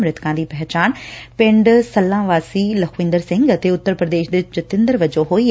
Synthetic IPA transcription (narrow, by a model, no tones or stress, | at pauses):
mɾɪt̪kãːd̪iːpɛɦt͡ɕaːnpɪ̃ɳɖsɐlːãːʋaːsilɐxʰʋɪ̃ːnd̪əɾsɪ̃ŋɡɐt̪eʊt̪ːəɾpɾəd̪eːʃd̪ɪd͡ʑɪt̪ɪ̃nd̪əɾʋɐd͡ʑoɦoːi